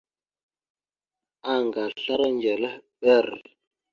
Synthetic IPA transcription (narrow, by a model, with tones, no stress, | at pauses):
a˨ŋɡa˨ɬa˦ɾa˦nd͡ʒɛ˨lə˦ɓɛ˦˨ɾɛ̰˨